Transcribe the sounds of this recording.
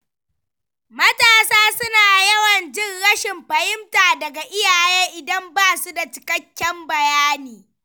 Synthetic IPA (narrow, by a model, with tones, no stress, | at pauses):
mɐ˦taː˨saː˦sʊ˦naː˨jɐ˦wɐ˨nd͡ʒɪ˦ŋɽɐ˦ʃɪ˨mɸɐ˨hɪ˦mtaː˨dɐ˨ɡa˨ʔɪ˦jaː˨jɛ˦ŋʔɪ˨dɐ˦mbaː˦˨su˦da˨t͡ʃɪ̥˨kɐ˦kʲːɛ˦mbɐ˨jaː˦niː˨